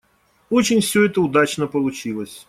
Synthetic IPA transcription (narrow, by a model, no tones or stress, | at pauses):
ot͡ɕɪnʲfsʲɵɛt̪əʊd̪at͡ɕnəpəlˠʊt͡ɕilˠəsʲ